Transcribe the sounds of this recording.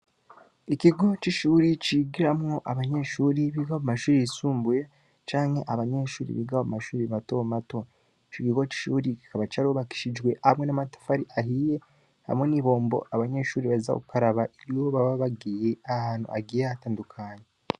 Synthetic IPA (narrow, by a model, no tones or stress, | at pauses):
ikiɡo̞t͡ʃiʃuːɾit͡ʃiɡiɾamŋo̞ʔaβaɲe̞ʃuːɾiβiɡaumaʃuːɾiisuːmbuje̞ | t͡ʃaːŋhe̞ʔaβaɲe̞ʃuːɾḭβḭɡaomumaʃuːɾiβatomato | t͡ʃikiɡo̞t͡ʃi̥ʃuːɾiki̥kaβat͡ʃaɾioβaki̥ʃid͡ʒwe̞ʔaamŋe̞namatḁfaɾiʔaɦije | ha̰mweniːβo̞ːmbo̞̰ʔaβaɲe̞ʃuːɾiβaiza̰o̰ukaɾaβaiɾioβaβaβaɡiːje̞ahaːn̥hṵʔaɡiːjeataːndukʰaːɲe